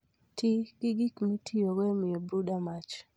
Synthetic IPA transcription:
tɪkɪɡikmitʰijowɛmɪobɾudamat͡ʃ

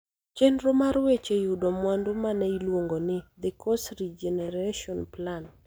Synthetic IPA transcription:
t͡ʃendɾomaɾwet͡ʃejʊdɔmwandomanɛilwoŋɡonɪd̪ɛkʰɔsɾid͡ʒɛnɛɾaʃɔnplan

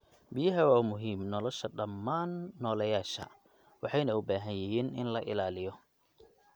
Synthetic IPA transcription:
bɪjɐɦɐwaːmʊɦiːmnɔlɔʃɐɖɐmːaːnːɔːlɐjaːʃɐ̰ | wɑħɑjnɐʊbaːɦɐnjɪɦiːnʔɪnlɐʔɪ̰laːlɪjɔ

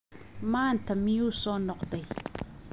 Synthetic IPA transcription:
maːntɐmiuːsɔnɔqdɐj

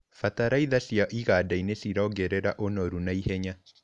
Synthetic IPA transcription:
fataɾaiðasjaʔiɣadainesiɾaoɡɛɾɛɾa̰ʔonɔɾunaihɛɲa

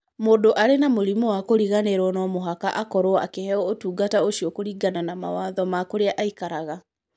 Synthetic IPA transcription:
moːdoʔaɾenamoɾimɔwakoɾiɣaneɾwɔnɔmoɦakaʔakɔɾoa̰kehɛɔotuːɡataoʃiɔkoɾiːɡananama̰waːðɔmakoɾeaʔaikaɾaɣa

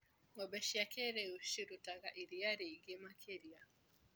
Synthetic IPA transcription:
ŋɔbɛʃiakɛɾɛuʃiɾutaɣaʔiɾiaɾɛiɡɛmakʰɛɾia

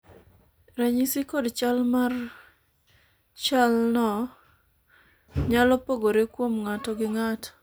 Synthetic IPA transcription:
raɲisikɔdt͡ʃalmar | t͡ʃalnɔ | ɲalɔpoɡoɾekwomŋatɔɡɪŋat

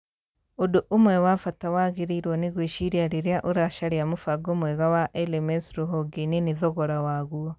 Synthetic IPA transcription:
odoʔomwɛwafatawaɣeɾiiɾwɔneɣweʃiɾjaɾiɾjaʔoɾaʃaɾiamufaɡomwɛɣawaʔɛlemɛsɾoɦɔɡeneniðɔɣɔɾawaɣuɔ

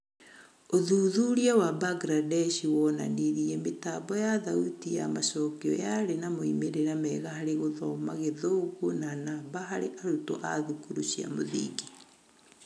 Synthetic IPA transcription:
oðuːðuɾiawabaɡɾadɛʃiwɔna̰niɾiɛmetabɔjaðautija̰masɔkiɔ̰jaɾenamoimeɾeɾamɛɣahaɾeɣoðɔmaɣeðoɣunanabaɦaɾeʔaɾuto̰ʔaðukuɾuʃia̰moðḭɡi

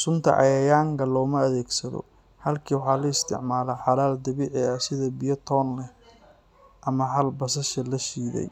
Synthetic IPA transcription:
sʊnt̪ʰɐ̰ʔɑ̰jɐjaːŋkʰɐlɔːmɐːðɛːɡsɐðɔ̰ | hɐlkʰiːwʊħɑːlɐɪst̪ʰɪ̰ʕmaːlɛħɑlaːld̪ɐβiʕɛɐsɪðɐbɪjɐt̪ʰɔːnlɛ | ʔɐmɐɦɐlbɐsɐʃɐlɐʃiːðɛ̰j

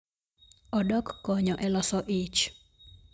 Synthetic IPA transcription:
ɔdɔkːɔɲɔʔɛlɔsɔʔit͡ʃ

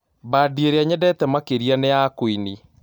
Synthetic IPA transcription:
badieɾeaɲɛdɛtɛmakeɾianeakoini

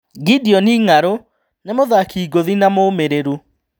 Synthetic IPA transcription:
ɡidiɔniːŋaɾo | nemoðakiːɡoðinamoːmeɾeɾu

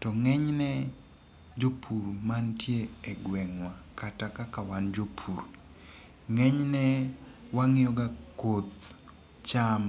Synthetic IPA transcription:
tɔŋɛɲnɛ | d͡ʒopʰuɾmantjeeɡwɛŋwakatakakawand͡ʒopʰuɾ | ŋɛɲnɛwaŋɪɔɡakot̪ | t͡ʃam

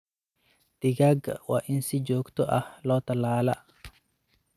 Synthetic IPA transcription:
d̪̥ɪɣaːɡwɑ̰ːʔɪnsɪd͡ʒɔːɡt̪ʰɔʔɐhlɔːt̪ʰɐlaːlɐ

